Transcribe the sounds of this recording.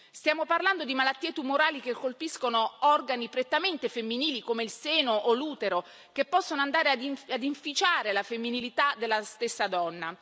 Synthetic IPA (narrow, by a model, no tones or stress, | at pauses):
st̪jaːmoparland̪od̪imalat̪ːiːet̪umoɾaːlik̟ekːolpiskonoɔrɡanipɾet̪ːament̪efemːiniːlikomeilseːnoʔoluːt̪eɾo | kepːɔsːonoand̪aːɾead̪iad̪iɱfit͡ʃaːɾelafemːinilit̪ad̪elːast̪esːad̪ɔnːa